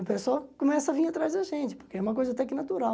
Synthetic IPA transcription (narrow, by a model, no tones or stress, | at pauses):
ɐpesawkõmɛsɐavĩɲat̪ɾazd̪ɐʒẽnt͡ʃɪ̥poɾkeɛũmɐkojzɐat̪ɛkɪnat̪uɾa